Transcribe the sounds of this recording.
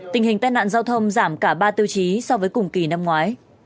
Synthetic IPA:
t̪ï˨˩ŋ̟ɦï˨˩ŋ̟t̪aː˧jna̰ː˧˨nzaː˧wt̪ʰə˧wŋ͡mzaː˧˩mkaː˧˩ɓaː˧t̪i˧əwt͡ɕi˨˦sɔ˧vəː˨˦jkʊ˨˩ŋ͡mki˨˩na˧mŋwaː˨˦j

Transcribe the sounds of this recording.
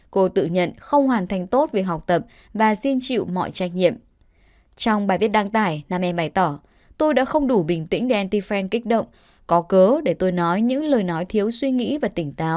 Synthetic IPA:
ko˧t̪ɨ̰˧˨ɲə̰˧˨nxə˧wŋ͡mɦwaː˨˩nt̪ʰa˨˧˩jŋ̟t̪o˦˥t̚ve˨˩k̚ɦa˨˩wk͡p̚t̪ə˨˩p̚ | vaː˨˩zi˧nt͡ɕḭ˧˨wmɔ̰˧˨jt͡ɕaː˧˩jk̟̚ɲḭ˧˨əm | t͡ɕɔ˧wŋ͡mɓaː˨˩jvət̚ɗaː˧ŋt̪aː˧˩jnaː˧mʔɛ˧mɓaː˧˩jt̪ɔː˧˩ | t̪o˧jɗa̰ː˧˥xə˧wŋ͡mɗu˧˩ɓï˨˩ŋ̟t̪ḭ˧˥ŋ̟ɗe˧˩ʔɛ˧nt̪i˧fɛ˧nkï˦˥k̟̚ɗə̰˧˨wŋ͡m | kɔ˨˦kəː˨˦ɗe˧˩t̪o˧jnɔ˨˦jɲɨ̰˧˥ŋləː˨˩jnɔ˨˦jt̪ʰi˨˦əwswi˧ŋḭ˧˥vaː˨˩t̪ï˧˩ŋ̟t̪aː˨˦w

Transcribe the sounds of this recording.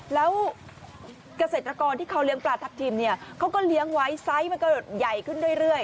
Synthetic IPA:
lɛː˦˥w | ka˧seː˨˩t̪ɾa˧kɔː˧nt̪iː˥˩kʰa˦˥wli˦˥əŋplaː˧t̪ʰa˦˥t̪ʰiː˧mni˥˩əkʰa˦˥wkɔː˥˩li˦˥əŋwa˦˥jsa˦˥jma˧nka˧do˨˩t̪̚ja˨˩jkʰɯ˥˩ndu˥˩əjɾɯ˥˩əj

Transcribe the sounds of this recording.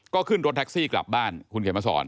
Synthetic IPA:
kɔː˥˩kʰɯ˥˩nɾo˦˥t̪̚ʰɛ˦˥k̚siː˥˩kla̰˨˩p̚baː˥˩nkʰu˧nkʰe˩˦ma˧sɔ̰ː˩˦n

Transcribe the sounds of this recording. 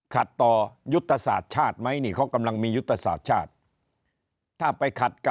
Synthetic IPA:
kʰa˨˩t̪ːɔː˨˩ju˦˥t̪ʰːa˧saː˨˩t̪̚t͡ɕʰaː˥˩t̪̚ma˦˥jniː˥˩kʰɔ˦˥˩ka˧mla˧ŋmiː˧ju˦˥t̪ʰːɾa˧sa̰ː˨˩t̪̚t͡ɕʰaː˥˩t̪̚ | aː˥˩pa˧jkʰa˨˩t̪̚k

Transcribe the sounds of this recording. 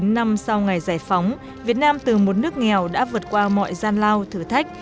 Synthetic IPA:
nːa˧msa˧wŋa˨˩jzaː˧˩jfa˨˦wŋ͡m | vi˨˩ət̚naː˧mt̪ɨ˨˩mo˨˩t̚nɨ˦˥ək̚ŋɛ˨˩wɗa̰ː˧˥vɨ˨˩ət̚kwaː˧mɔ̰˧˨jzaː˧nlaː˧wt̪ʰɨ˧˩t̪ʰa˦˥jk̚

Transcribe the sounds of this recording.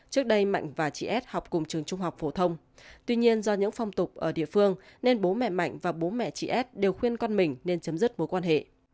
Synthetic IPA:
t͡ɕɨ˦˥ək̚ɗə˧jma̰˧˨jŋ̟vaː˨˩t͡ɕḭ˧˩ʔɛ˦˥t̚hɔ˨˩wk͡p̚kʊ˨˩ŋ͡mt͡ɕɨ˨˩əŋt͡ɕʊ˧ŋ͡mɦa˨˩wk͡p̚fo˧˩t̪ʰə˧wŋ͡m | t̪wi˧ɲi˧ənzɔ˧ɲɨ̰˧˥ŋfa˧wŋ͡mt̪ʊ˨˩k͡p̚ʔəː˧˩ɗḭ˧˨əfɨ˧əŋne˧nɓo˨˦mɛ̰˧˨ma̰˧˨jŋ̟vaː˨˩ɓo˨˦mɛ̰˧˨t͡ɕḭ˧˨ʔɛ˦˥t̚ɗe˨˩wxwi˧ənkɔ˧nmï˨˩ŋ̟ne˧nt͡ɕə˨˦mzɨ˦˥t̚mo˨˦jkwaː˧nɦḛ˧˨

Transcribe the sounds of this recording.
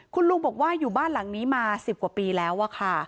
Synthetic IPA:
kʰu˧nlu˧ŋbɔː˨˩k̚waː˥˩juː˨˩baː˥˩nla˩˦ŋniː˦˥maː˧si˨˩p̚ku˨˩piː˧lɛː˦˥wʔa˥˧˩kʰa˥˩

